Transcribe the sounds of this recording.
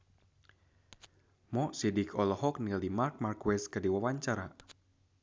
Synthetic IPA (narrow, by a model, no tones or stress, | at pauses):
mɔʔsidikʰɔlɔɦɔk̚nilimark̚markwɛskədiwawaɲt͡ʃaɾa